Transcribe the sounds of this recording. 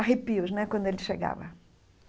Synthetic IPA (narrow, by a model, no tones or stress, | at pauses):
ɦipiʊznɛkwɐ̃nd̪ʊelɪʃeɡa̰vɐ̰